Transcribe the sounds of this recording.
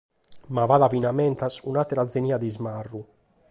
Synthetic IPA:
mavaðavinamɛnt̪asunat̪ɛɾazd̪eniːad̪izmarːu

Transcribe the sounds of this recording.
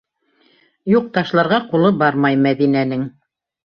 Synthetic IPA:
juq̚t̪ɑʃlˠɑɾʁɑqulˠɤbɑɾmɑjmæðinænɘŋ

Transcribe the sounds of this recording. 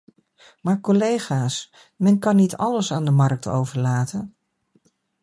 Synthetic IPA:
maːɹkolejχaːs | mɛnkɑnːitɑləsaːndəmɑɹk̚to̰wvəɹlaːtʰən

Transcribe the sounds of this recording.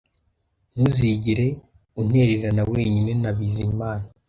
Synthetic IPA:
n̥uziɟiɾe̞ | un̥e̞ɾeɾanawe̞ːɲine̞naβizimaːna

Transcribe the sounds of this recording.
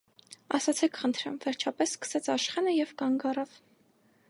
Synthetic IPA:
ɑ̰sɑt͡sʰɛkʰχənt̪ʰɾɛ̰mvɛɾt͡ʃʰɑpɛsːkə̥sɛt͡sʰɑʃχɛnəjɛvkɑŋɡɑrɑv

